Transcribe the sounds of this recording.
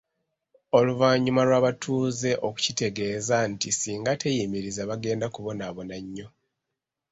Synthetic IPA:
o̞luvaːɲumalwaːβatʰuːze̞ʔo̞ku̥cite̞ɡe̞ːzantisiːŋɡate̞jimiɾizaβaɡe̞ːndakuβo̞naβo̞naɲːo̞

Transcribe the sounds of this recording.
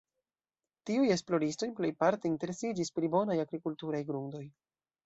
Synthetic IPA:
tiuje̞splo̞ɾisto̞jple̞jpaɾteinte̞ɾe̞sid͡ʒispɾibo̞najaɡɾikultuɾajɡɾuŋdo̞j

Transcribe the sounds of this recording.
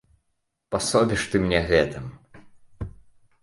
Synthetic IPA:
pasɔbʲiʂt̪ɨmnʲɛɣɛt̪ɨm

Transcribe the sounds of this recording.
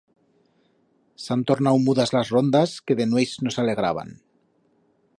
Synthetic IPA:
sant̪oɾnawmuðazlazrond̪askeðenwejznosale̞ɣɾa̰β̞a̰n

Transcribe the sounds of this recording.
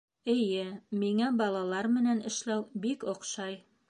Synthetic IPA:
ɘ̆jɘmiŋæbɑlˠɑlˠɑɾmɘ̆nænɘ̆ʃlæwbikŏqʃɑj

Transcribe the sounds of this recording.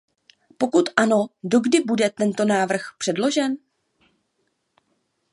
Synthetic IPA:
po̞kut̪ʔano̞do̞ɡdɪbudɛt̪ɛnt̪o̞naːvr̩xpr̝̥ɛdlo̞ʒɛn

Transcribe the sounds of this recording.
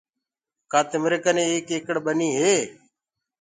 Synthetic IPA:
kaːt̪ɪmɾɪkənẽːeːkɪːkəɽɓəniːɦeː

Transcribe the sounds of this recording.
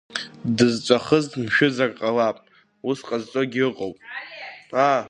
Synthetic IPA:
dɨzt͡ʃʷʼaχəztmʃᶣʊzakʼqʼalapʼ | usqʼazt͡sʷʼoɡʲɪrɨqʼowpʼ | a

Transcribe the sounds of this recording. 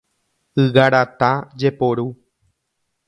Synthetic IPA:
ɨɣaɾat̪ad͡ʒepoɾu

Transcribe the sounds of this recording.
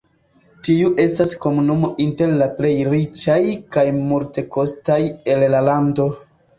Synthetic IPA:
tiuʔe̞stasko̞munumo̞ʔinte̞ɾlaple̞jɾit͡ʃajkajmulte̞ko̞staje̞llalando̞

